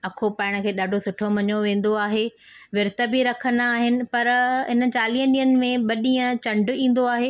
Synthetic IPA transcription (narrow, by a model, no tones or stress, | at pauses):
ɐkʰopaːɪɽ̃ə̆kʰeːɗaːɖʱosʊʈʰomɐɲoʋẽːn̆d̪oaːɦe | ʋɪɾt̪əbiɾɐkʰə̃nd̪aːɦɪnɪ̆pɐɾɦɪnə̆t͡ɕaːliːə̃nĩːənɪ̆mẽɓɐɗĩːə̃t͡ɕɐ̃ɳɖʱʊ̆ĩːn̆d̪oaːɦeː